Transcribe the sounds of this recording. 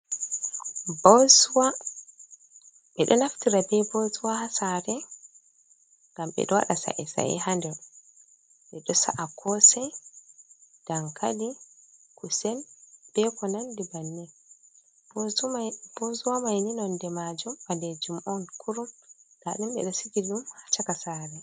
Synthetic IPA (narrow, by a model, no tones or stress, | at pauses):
bɔzwa | ɓɛɗɔnaftiɾabɛbɔzuwahasaɾɛ | ŋɡamɓɛ̰ɗɔwa̰ɗasa̰ʔɛsa̰ɛ̰handɛɾ | ɓɛɗɔsa̰ʔakʰɔsɛ | d̥aŋkʰadikusɛnb̥ɛkɔnandibanːɛ | bzb̥ozuwamajninɔndɛmad͡ʒumbadɛd͡ʒumʔɔnkʰuɾumɡ̥aɗumɓɛ̰ɗɔsiɡiɗumhḁt͡ʃakasaɾɛ